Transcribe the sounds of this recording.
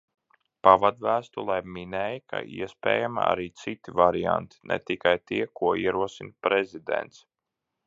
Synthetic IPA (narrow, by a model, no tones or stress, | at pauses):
pavad̪væːst̪ulˠajminɛːjika̰ḭɛspɛ̰ːjamaa̰ɾiːt̪sit̪ivaɾia̰nt̪i̥nʔɛ̰t̪ikajt̪iɛkuɔiɛɾuɔsinpɾezid̪ḛnt̪s